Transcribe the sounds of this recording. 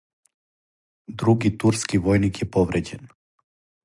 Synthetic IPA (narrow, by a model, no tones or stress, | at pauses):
d̪ɾuɡit̪uɾskivɔjnikjɛpɔvɾɛcɛn